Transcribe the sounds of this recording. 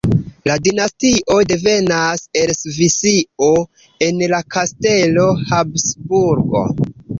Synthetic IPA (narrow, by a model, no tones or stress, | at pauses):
ladinastiʔo̞de̞ve̞naselsvisio̞ | e̞nlakʰaste̞lo̞habsbuɾɡo̞̰